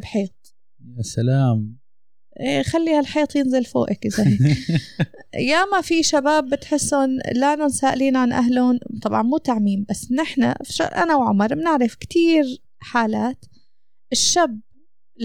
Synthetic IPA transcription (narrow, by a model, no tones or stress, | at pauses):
bħiːt̪̚ˤ | jasalaːm | ʔeːxalːiːhalħiːt̪ˤjɪnzɪlfo̰ːʔakʔɪza | jamafiʃabaːbːɪt̪ħɪsːʊnlaːnʊnsaːʔɪliːnʕanʔa̰ɦlʊnt̪ˤɑbʕɑnmuːt̪aʕmiːmbasːnɪħna̰fʃaʔa̰nawʕʊ̰mɑɾˤbɪnɪʕɾɪfkt̪iːɾ | ħaːlaːt̪ | ʔɪʃːab